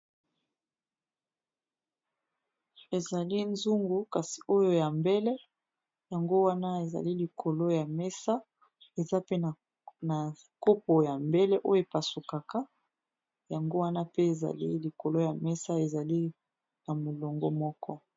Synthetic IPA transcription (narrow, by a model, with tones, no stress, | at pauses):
e˨za˨li˦nzu˦ŋɡu˨ka˨si̥˨o˦jo˦ja˨mbe˦lɛ˦ | ja˨ŋɡo˦wa˦na˦e˨za̰˨li˦li˨kʰo˨lo˦ja˨mɛ˦sa˦ | e˨za˦pe˦n˨ | na˨ | ko˦po˨ja˨mbe˦lɛ˦ʔo˦jo˦e˨pa˨su˨ka˨ka˦ | ja˨ŋɡo˦wa˦na˦pe˦e˨za̰˨li˦li˨ko˨lo˦ja˨mɛ˦sa˦e˨za˨li˦ | na˨mo˨lo˨ŋɡo̰˦mɔ˦kɔ˦